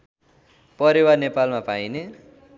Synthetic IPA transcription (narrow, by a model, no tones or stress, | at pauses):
pʌɾiwarnepalmapajne